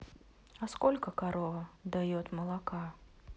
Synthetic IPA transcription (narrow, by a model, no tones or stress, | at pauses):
ɐskɔlʲkəkaɾɔvɐd̪ajɔt̪məlˠaka